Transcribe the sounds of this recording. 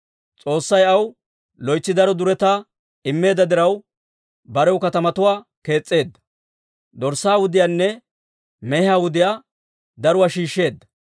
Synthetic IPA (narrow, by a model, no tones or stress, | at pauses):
t͡sʼo̞ːsːɐjɐw | lɔjt͡sːɪd̪ɐɾɔd̪ʊɾɛt̪aː | ɪmːe̞ːd̪ɐd̪ɪɾɐw | bɐɾɛwkɐt̪ɐmɐt̪ʊwaːke̞ːt͡sʼːe̞ːd̪ːɐ̥ | d̪ɔɾsːaːwʊd̪ɪjaːnːɛ | mɛhɪaːwʊd̪ɪjaː | d̪ɐɾʊwaːʃiːʃːe̞ːd̪ːɐ̥